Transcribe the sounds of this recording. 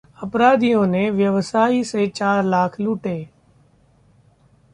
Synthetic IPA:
əpɾaːd̪ijõːneːʋjəʋsaːiːseːt͡ʃaːɾlaːkʰluːʈeː

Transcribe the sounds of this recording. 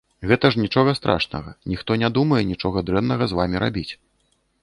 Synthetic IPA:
ɣɛt̪ɐʐnʲit͡ʂɔɣɐst̪ɾʔa̰ʂnɐ̰ɣɐ̰nʲixt̪ɔnʲad̪umɐjɛnʲit͡ʂɔɣɐd̪ɾɛnnɐɣɐzvamʲiɾa̰bʲit͡sʲ

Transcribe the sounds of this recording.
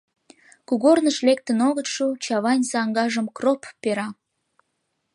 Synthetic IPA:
kuɣornəʃlek̚t̪ə̆noɣət̪ʃut͡ɕɑβɑnʲsɑŋɡɑʒə̆mkropːeɾɑ

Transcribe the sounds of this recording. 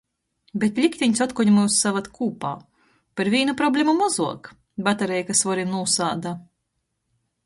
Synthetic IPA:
bʲet̪lʲikt̪ʲiɲʲsɔt̪kuɲmuwsːavat̪kʰuːpa̰ː | paɾvʲiːnupɾɔblʲemumɔzuɔk | bat̪aɾɛjkasvɔɾimnuːsaːd̪a

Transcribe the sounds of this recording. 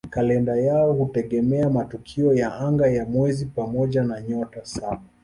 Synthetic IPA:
kalɛndajaɔhutɛɠɛmɛamatukʰiɔjaaŋɡajamwɛzipamɔʄanaɲɔtasaɓa

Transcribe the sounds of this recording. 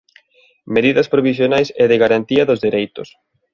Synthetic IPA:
meðiðɐspɾoβis̬jonajsɛðɪɣaɾant̪iɐðʊzðiɾejt̪ʊ̰s

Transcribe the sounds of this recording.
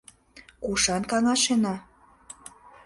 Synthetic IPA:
kuʃɑnkɑŋɑʃenɑ

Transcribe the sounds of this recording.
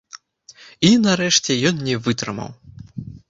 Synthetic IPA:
inaɾɛʂt͡sʲɛjɔnnʲɛvɨt̪ɾɨ̰mɐ̰w

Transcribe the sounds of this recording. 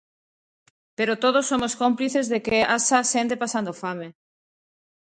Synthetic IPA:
peɾot̪oð̞osːomoskompliθezðekeasasent̪epasand̪ofame

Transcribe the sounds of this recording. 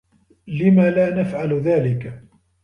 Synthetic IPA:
lɪmaːlaːnafʕalðaːlɪk

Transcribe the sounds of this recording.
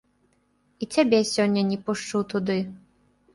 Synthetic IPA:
it͡sʲabʲɛsʲɔnʲːɐnʲɛpuʂt͡ʂut̪ud̪ɨ

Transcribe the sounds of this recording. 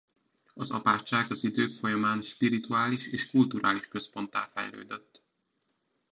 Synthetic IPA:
ɒzɒ̰paːt͡ʃːaːɡɒzid̪øːkfo̞jɒmaːnʃpiɾit̪uaːliʃeːʃkult̪uɾʔa̰ːliʃkø̞spo̞nt̪a̰ːlfɛ̰jlø̰ːd̪øt̪ː

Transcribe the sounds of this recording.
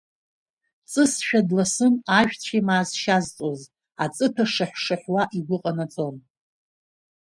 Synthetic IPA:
t͡sʼɨsʃᶣadlasɨnaʒᶣt͡sʷʰimaːzʃazt͡sʼoz | at͡sʼɨpʰaʂaħʷʂaħwaʔiɡʷʊqʼanat͡sʼon

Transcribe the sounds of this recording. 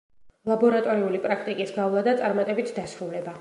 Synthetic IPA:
lˠabɔɾat̪ʼɔɾiulipʼɾakʰt̪ʼikʼisɡavlˠad̪at̪sʼaɾmat̪ʼɛbit̪ʰd̪asɾulɛba

